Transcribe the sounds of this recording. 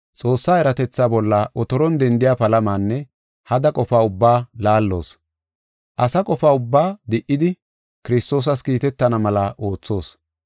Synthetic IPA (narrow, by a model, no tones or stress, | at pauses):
t͡sʼo̞ːsːaːɛɾɐt̪ɛt͡sːaːbɔlːaʔɔt̪ɔɾɔnd̪ɛnd̪ɪjaːpɐlɐmaːnːɛ | hɐd̪ɐkʼɔfaːʊbːaːlaːlːo̞̰ːs | ʔɐsɐkʼɔfaːʊbːaːd̪ɪʔːɪd̪ɪ | kɪɾɪst̪o̞ːs̬ɐskiːt̪ɛt̪ːɐnɐmɐlɐʔo̞ːt͡sːo̞ːs